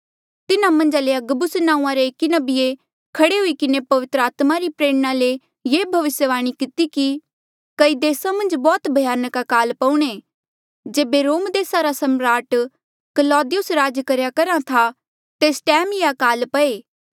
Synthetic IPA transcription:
t̪ɪnamɐ̃nd͡ʒaleɐɡbʊsnãːũãɾeeːkinɐbije | kʰɐɽeɦʊikɪnepɐʋɪt̪ɾəaːt̪maɾipɾeːɽñale | jeːbʱɐʋɪsjəʋaːɽ̃ikɪt̪iki | kɐid̪eːsamɐ̃nd͡ʒbɔːt̪bʱɐjaːnəkakaːlpɐ̃ũɽ̃e | d͡ʒeːbeɾoːmd̪eːsaɾasɐmɾaːʈ | kɐlɔːd̪ɪjʊsɾaːd͡ʒkɐɾjakɐɾat̪ʰa | t̪eːsʈɛːmjeakaːlpɐeː

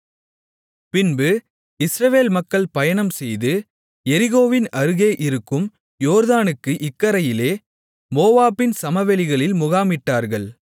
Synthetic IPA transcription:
pɪnbɯ | ɪsɾɐʋeːlmɐkːɐɭpɐjɐɳɐmsɛjðɯ | ɛɾɪɣoːʋɪnɐɾɯɣeːʔɪɾɯkːɯm | joːɾðaːnɯkːɯʔɪkːɐɾɐjɪleː | moːʋaːpɪnsɐmɐʋɛlɪɣɐɭɪlmʊɣaːmɪʈːaːɾɣɐɭ

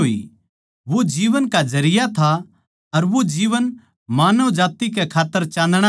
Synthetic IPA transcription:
oḭ | ʋod͡ʒiːʋənkazɐɾɪjat̪ʰa | ɐɾʋod͡ʒiːʋən | maːnəʋd͡ʒaːt̪ik̬ɛkʰaːt̪ːəɾt͡ʃãːn̆d̪ɽ̃a

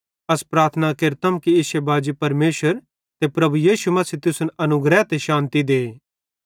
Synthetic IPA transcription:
ɐspɾaːɾt̪ʰənakɪɾt̪əmkiɪʃebaːd͡ʒipɐɾmeːʃəɾ | t̪epɾɐbujiːʃumɐsiːt̪ʊsʊnɐnʊɡɾɛt̪eʃãːnt̪id̪eː

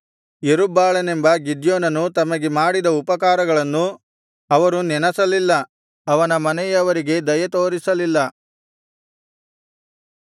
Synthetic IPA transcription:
jeɾubaːɭɐne̞mbɐɡid̪joːnɐnut̪ɐmɐɡemaːɽid̪ɐupɐkaːɾɐɡɐɭɐnːu | ɐʋɐɾunɛnɐsɐlilːɐ | ɐʋɐnɐmɐnɛjɐʋɐɾiɡe̞d̪ɐjɐt̪o̞ːɾisɐlilːɐ

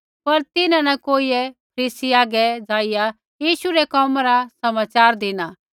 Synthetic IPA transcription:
pɐɾt̪ɪnãnɛkoːiɛp̚ʰɐɾiːsiaːɡɛd͡zaːɪja | jiːʃuɾɛkɔːmaɾasɐmaːt͡ʃaːɾd̪ɪnaː

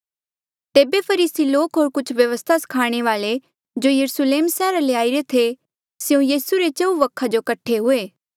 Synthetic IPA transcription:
t̪eːbepʰɐɾiːsiloːkɦoːɾkʊt͡ʃʰʋjɐʋəst̪ʰasɐ̥kʰaːɽ̃eʋaːle | d͡ʒojɐɾʊsleːmsɛːɾaleaːiɾet̪ʰe | sjõjiːsuɾet͡ʃɐuʋɐkʰːad͡ʒokɐʈʰːeɦʊeː

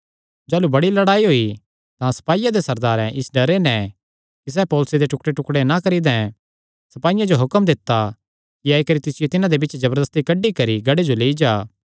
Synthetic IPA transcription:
d͡ʒaːlubɐɽilɐɽaːiɦoːi | t̪ãsɐ̥paːijãd̪esɐɾd̪aːɾɛ̃ʔɪsɖɐɾenɛ | kis̬ɛːpɔːlʊsed̪eʈʊkɽeʈʊkɽenakɐɾid̪ɛ̃ | sɐpaːɪjãd͡ʒoɦʊkəmd̪ɪt̪ːa | kiaːikɐɾit̪ɪsɪjot̪ɪnãd̪ebɪt͡ʃd͡ʒɐbəɾd̪əst̪ikɐɖːikɐɾiɡɐɽed͡ʒoleːid͡ʒaː

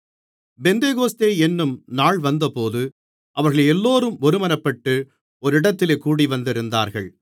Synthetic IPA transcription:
bɛnd̪eːɣoːst̪eːɛnːɯmnaːɭʋɐnd̪ɐpoːðɯ | ʔɐʋɐɾɣɐɭɛlːoːɾɯmɔɾɯmɐnɐpːɐʈːɯ | ɔɾɪɽɐt̪ːɪleːkuːɽiʋɐnd̪ɪɾɯnd̪a̰ːɾɣɐɭ

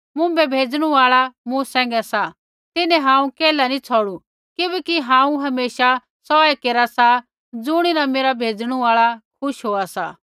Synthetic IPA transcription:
mʊ̃bɛbʱeːd͡zɽ̃uaːɭamũsɛ̃ːŋ̆ɡɛsa | t̪ɪnɛ̃ɦãːũkɛːlanit͡sʰɔːɽu | kɪbɛkiɦãːũɦɐmeːʃa | sɔɛkeːɾasa | d͡zʊɽ̃inameːɾabʱeːd͡zɽ̃uaːɭakʰʊʃɦoːasa

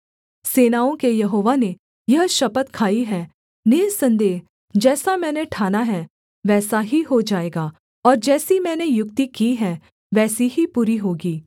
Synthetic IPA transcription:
seːnaːõkejɐɦoːʋane | jɐɦʃɐpət̪kʰaːiɦɛː | nɪɾsɐ̃nd̪eːɦ | d͡ʒɛːsamɛ̃ːneʈʰaːnaɦɛ | ʋɛːsaɦiɦod͡ʒaːeːɡaː | ɔːɾd͡ʒɛːsimɛ̃ːnejʊkt̪ikiɦɛ̃ | ʋɛːsiɦipuːɾiɦoːɡiː

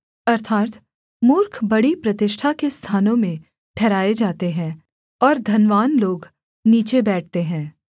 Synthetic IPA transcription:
ɐɾt̪ʰaːt̪ | mʊɾkʰbɐɽipɾɐt̪ɪʃʈʰakest̪ʰaːnõmẽ | ʈʰɛːɾaːed͡ʒaːt̪eɦɛ̃ː | ɔːɾd̪ʱɐnʋaːnloːɡ | niːt͡ʃebɛːʈ̚ʰt̪eɦɛ̃ː

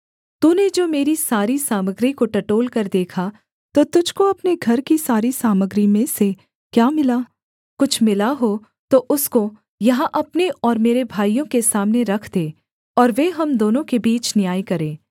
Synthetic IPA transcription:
t̪uːned͡ʒoːmeːɾisaːɾisaːməɡɾikoʈɐʈoːlkɐɾd̪eːkʰa | t̪ot̪ʊd͡ʒʱkoɐpneɡʱɐɾkisaːɾisaːməɡɾimẽse | kjaːmɪlaː | kʊt͡ʃʰmɪlaɦo | t̪oʔʊsko | jɐɦãʔɐpneʔɔːɾmeːɾebʱaːijõkesaːmneɾɐkʰd̪eː | ɔːɾʋeɦɐmd̪oːnõkebiːt͡ʃnɪjaːikɐɾẽː

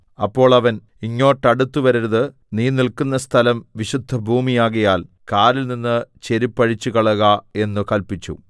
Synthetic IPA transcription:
ɐpːo̞ːɭɐʋɐn | iŋːo̞ːʈːɐɽut̪ːuʋɐɾiɾɐðɨ | niːnilkunːɐst̪ʰɐlɐmʋiɕud̪ʱːɐbʱuːmijaːɣɐjaːl | kaːɾilninːɨt͡ɕe̞ɾipːɐɻit͡ɕːuɣɐɭɐɣɐe̞nːukɐlpit͡ɕːṵ

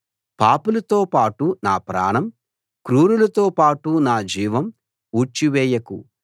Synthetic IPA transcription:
paːpulɐt̪oːpaːʈunaːpɾa̰ːɳɐm | kɾuːɾulɐt̪oːpaːʈunaːd͡ʒiːʋɐm | uːt͡ʃiʋɛːjɐkṵ

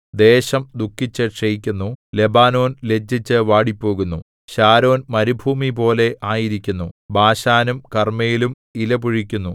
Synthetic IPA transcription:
d̪e̞ːɕɐmd̪ukʰːit͡ɕːɐʈʂejikʲːunːule̞baːno̞ːnle̞d͡ʑːit͡ɕːɨʋaːɽipːo̞ːɣunːu | ɕaːɾo̞ːnmɐɾibʱuːmip̬o̞ːle̞ʔaːjiɾikʲːunːubaːɕaːnumkɐrmejilum | ilɐpuɻikʲːunːu

